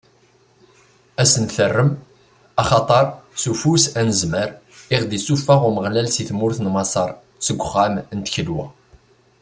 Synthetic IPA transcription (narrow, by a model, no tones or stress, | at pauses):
æsənθərːəm | ɑχɑt̪ˤəɾˤsufusænəzməɾ | ɪʁd̪isufːaʁʊməʁlælsiθmʊɾθnmɑsˤɑɾˤ | səɡʷːʊχːæmnt̪çəlwæ̰